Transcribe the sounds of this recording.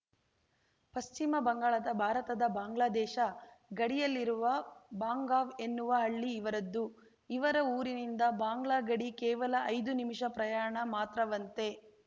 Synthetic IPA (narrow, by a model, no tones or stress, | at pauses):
pɐst͡ʃimɐbɐŋɡaːɭɐd̪ɐbʱaːɾɐt̪ɐd̪ɐbaːŋɡɭaːd̪ɛːʃɐɡɐɽijɐlːiɾuʋɐbaːŋɡaːʋe̞nːuʋɐɦɐɭːiːʋɐɾɐd̪ːu | iʋɐɾɐuːɾinind̪ɐbaːŋɡɭaːɡɐɽikɛːʋɐlɐʔɐjd̪unimiʂɐpɾɐjaːɳɐmaːt̪ɾɐʋɐnt̪e̞